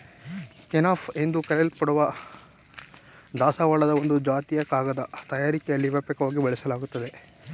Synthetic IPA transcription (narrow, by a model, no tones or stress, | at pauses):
kenaːfʰe̞nd̪ukɐɾɛlpɐɽuʋɐ | d̪aːsaʋaːɭɐd̪ɐond̪ud͡ʒaːt̪ijɐkaːɡɐd̪ɐt̪ɐjaːɾikɛjɐlːiʋɐpɛkɐʋaːɡibɐɭɛsɐlaːɡut̪ːɐd̪e̞